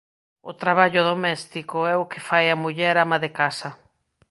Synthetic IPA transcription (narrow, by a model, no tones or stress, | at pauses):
ʊt̪ɾaβaʎʊðomɛst̪ikoɛʊkɪfajamuʎɛɾamaðekasɐ